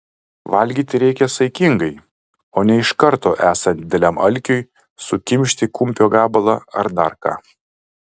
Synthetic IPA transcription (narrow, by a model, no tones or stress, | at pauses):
ʋɐlʲɡʲiːt̪ʲɪɾʲɛɪkʲɛsɐɪkʲɪŋɡɐɪ | oːnʲɛɪʃkɐɾt̪oːʔæːsɐntd̪ʲɪd̪ʲɛlʲæmɐlʲkʲʊj | sʊkʲɪmʲʃʲt̪ʲɪkʊmʲpʲoːɡɑːbɐlˠɑɐ̰ɾd̪ɐɾkɑ̰ː